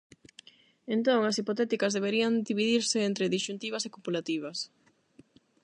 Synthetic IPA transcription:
ent̪õŋɐsipot̪ɛt̪ikɐzðeβeɾiɐŋd̪iβiðiɾsɪent̪ɾeðiʃunt̪iβ̞ɐsekupulat̪iβ̞ɐs

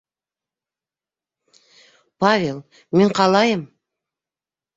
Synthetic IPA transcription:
pʰavʲelˠ | meɴqʰɑlˠɑjəm

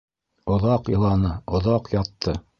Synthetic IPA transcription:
ŏðɑqjɤ̆lˠɑnɤŏðɑqjɑt̪ʰːɤ

